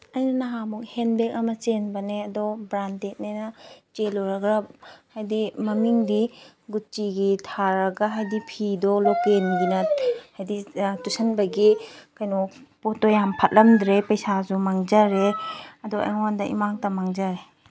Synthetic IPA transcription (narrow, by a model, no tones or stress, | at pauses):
ɐjnɐnaɦamɔkhenbek̚ɐmɐt͡ʃenbɐneɐdɔbɾantet̚nenɐt͡ʃelɔɾɐɡɾɐp̚hajdimɐmiŋdi | ɡut͡ʃiɡitʰaɾɐɡaɦajdipʰidɔlɔkenɡinɐhajditusɐnbɐɡikajnɔpɔtɔjampʰɐt̚lɐmd̪ɾepɐjsazumaŋzɐɾeɐdɔʔa̰jŋandɐʔḭmaŋtɐmaŋzaɾe